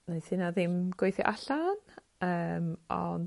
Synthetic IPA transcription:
nesɪnaðɪmɡwejθjɔ̰ʔaɬan | əːmɔ̰n

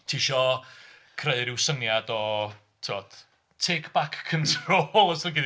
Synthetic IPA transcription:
tʰiːʃɔ | kʰreɨɾɪwsənjadɔ | tʰɪvɔd̥ | tʰekʰb̥akʰːəntʰroːlˠɔsəɡid

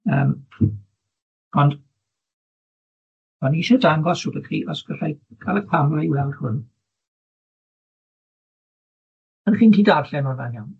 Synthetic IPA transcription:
əːm | ɔnd̥ | m̥aniʃɔdaŋɡɔsʊdəkʰrḭːʔɔsɡ̥əɬajɡʰalˠəpʰanrajwɛlˠd̥hʊn | ənχiːntʰiːdarɬɛnɔvanjan

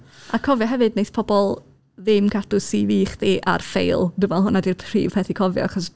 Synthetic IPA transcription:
akʰɔvjɔɦɛvɨdnejspʰɔbɔlˠ | ðɨmkʰatʊsiviːχdiːʔa̰rfḛjlˠdʊvɛlˠɦʊnadirpʰr̥ḭːv̥pʰɛθikʰɔvjɔ̰aχɔs

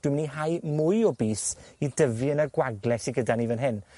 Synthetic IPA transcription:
d̥wɪməniɦajmʊjɔbiːsidəvɨənəɡwaɡlɛsiɡədanivənɦɪn

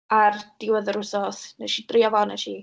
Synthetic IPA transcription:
ard̥ɪwəðəɾʊsɔsnəʃidriɔvɔnə̰ʃi

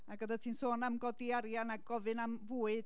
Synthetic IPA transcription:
aɡədatʰiːnsoːnamɡɔdiaɾjanaɡ̚ɡɔvɨnamvuːɨd

